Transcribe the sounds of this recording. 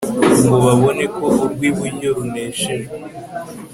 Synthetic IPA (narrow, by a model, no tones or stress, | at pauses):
ŋɡoβaβo̞ne̞ko̞ʔuɾɡwiβwiɲoɾuneːʃeɾe